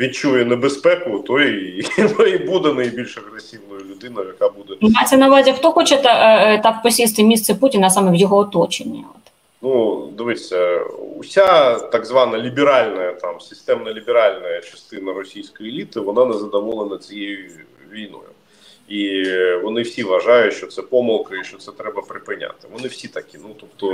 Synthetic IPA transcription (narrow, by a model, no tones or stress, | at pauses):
ʋʲit̚t͡ʃujɛnebespɛkʊt̪ɔjnoibud̪ɛnɐjbʲilʲʃɐɣɾesʲiʋnɔjʊlʲʊd̪ɪnʊjʊjɐkabud̪ɛnɦat̪sɛnɐʋazʲɐxt̪ɔxɔt͡ʃɛt̪ɐt̪ɑpɔsʲist̪ɪmʲist̪sɛputʲɪnɐsɑmɛwjɔɦɔːt̪ɔt͡ʃenʲːɐ̰ɔ̰t̪ | nud̪ɪʋɪsʲɐʊ̰sʲat̪aɡzʋɑnɐlʲibʲɪɾalʲnɐjɐt̪amsʲɪst̪ɛmnɐlʲɪbʲɪɾalʲnɐjɐt͡ʃɐ̥st̪ɪnɐɾɔsʲijsʲkɔjielʲit̪ɪʋɔnanɛzɐd̪ɐʋɔlˠənɐt͡sʲijejʊ | ʋʲijnɔ̰jʊ̰ | iʋɔnɪwsʲiʋɐʒajʊtʲʃt͡ʃɔt̪sɛpɔmɐlˠkɐiʃt͡ʃɔt̪sɛt̪ɾɛbɐpɾɪpɪnʲa̰t̪ɪʋɔnɪwsʲit̪ɐkʲinut̪ɔpt̪ɔ